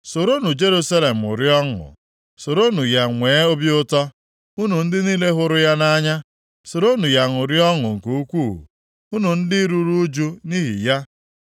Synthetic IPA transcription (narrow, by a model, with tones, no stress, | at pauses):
so˨ɾo˦nu˨d͡ʒe˦ɾu˦sa˦le˨m̩˨ʊ̰˨ɾi˦ɔ˦ŋʊ̰˨ | so˨ɾo˦nu˨ja˨ŋʷeː˨˦o˦bjʊ˦tɔ˦ | u˦nu˨n̩˦dɪ˦niː˦le˦ɦʊ˦ɾʊ˦ja˦na˦ɲa˦ | so˨ɾo˦nu˨ja˨ŋʊ˨ɾjɔ˦ŋʊ˨ŋ̩˨ku˨u˦kʷuː˦˨ṵ˨ | u˦nu˨n̩˦dɪ˦ɾu˦ɾu˦d͡ʒu˦ni˦ɦḭ˨ja˦